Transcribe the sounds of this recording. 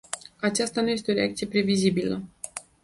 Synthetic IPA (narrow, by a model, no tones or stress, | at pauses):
at͡ʃast̪anuje̞s̬t̪e̞o̞ɾeak̚t̪sije̞pɾe̞vizibilə